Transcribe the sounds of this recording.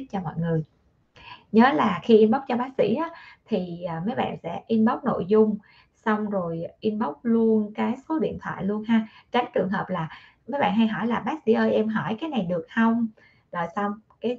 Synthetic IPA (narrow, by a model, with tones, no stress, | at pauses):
t̚t͡ɕɔ˧mɔ̰˧˨jŋɨ˨˩əj | ɲəː˨˦laː˨˩xi˧ʔi˧nɓa˦˥wk͡p̚t͡ɕɔ˧ɓaː˨˦˥k̚sḭ˧˥ʔa˨˦t̪ʰi˨˩əː˨˩mə˨˦jɓa̰ː˧˨nsɛ̰˧˥ʔi˧nɓa˦˥wk͡p̚no̰˧˨jzʊ˧ŋ͡m | sa˧wŋ͡mzo˨˩jʔi˧nɓə˦˥wk͡p̚lu˧ənkaː˨˦jso˨˦ɗḭ˧˨ənt̪ʰwa̰ː˧˨jlu˧ənɦaː˧t͡ɕa˨˦jŋ̟t͡ɕɨ˨˩əŋɦəː˨˩p̚laː˨˩ | mə˨˦jɓa̰ː˧˨nɦa˧jɦɔ˧˩jlaː˨˩ɓaː˦˥k̚sḭ˧˥ʔəː˧jʔɛ˧mɦɔ˧˩jkaː˨˦jna˨˩jɗɨ˨˩ək̚hə˧wŋ͡m | zəː˨˩jsa˧wŋ͡mkaː˨˦j